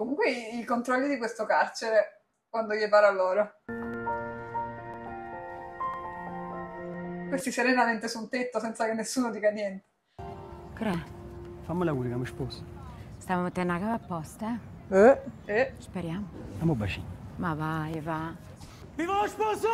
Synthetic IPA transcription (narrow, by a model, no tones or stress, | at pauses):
komuŋkweiilkont̪ɾɔʎːid̪ikwest̪okart͡ʃeɾe | kwand̪ojepaːɾalːoːɾo | kwest̪iseɾenament̪esunt̪et̪ːosɛnt̪sakenːesːuːnod̪iːkanjɛnt̪e̥ | kɾɛfamːolakusakameʃpɔso̥st̪avamet̪ːenakavapːɔst̪ɛ | ɛɛspeɾjaːmosamobat͡ʃḭnmavajva | vivaloʃpɔso